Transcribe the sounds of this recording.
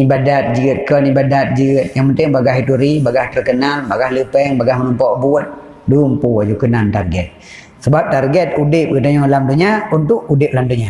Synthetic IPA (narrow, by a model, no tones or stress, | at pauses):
ibadat̪̚d͡ʒiɡət̪̚kənibadat̪̚d͡ʒiɡət̪̚jaŋpənt̪ɪŋbaɡahit̪uɾibaɡaht̪ərkənalbaɡahləpɛŋbaɡahmənɔmpɔʔbuət̪̚ | duumpuad͡ʒukənant̪arɡɛt̪̚ | səbap̚t̪arɡɛt̪̚udɪp̚kət̪aɲɔlamd̪uɲaunt̪ʊk̚udɪp̚lamd̪uɲa